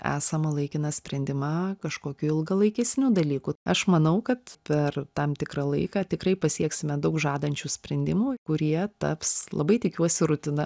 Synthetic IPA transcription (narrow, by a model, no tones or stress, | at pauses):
æ̰ːsɐmɐlˠɐɪkʲɪnɐsʲpʲɾʲɛnʲd̪ʲɪmɑːkɐʃkoːkʲuːɪlˠɡɐlˠɐɪkʲɛsʲnʲuːd̪ɐlʲiːkuɐʃmɐnɐʊkɐt̪pʲɛrt̪ɐmt̪ʲɪkrɑlˠɐ̰ɪkɑːt̪ʲɪkrɐɪpɐsʲiɛksʲɪmʲɛd̪ɐʊkʒɑːd̪ɐnʲt͡ʃʲuːsʲpʲɾʲɛnʲd̪ʲɪmuːkʊɾʲiɛt̪ɐ̰pslˠɐ̰bɐɪt̪ʲɪkʲuɔsʲɪɾʊt̪ʲɪnɐ